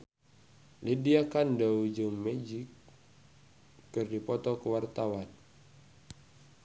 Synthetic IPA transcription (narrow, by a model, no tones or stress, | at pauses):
lidiakandəud͡ʒəŋmɛd͡ʒik | ɨrdipɔt̪ɔkəwart̪awan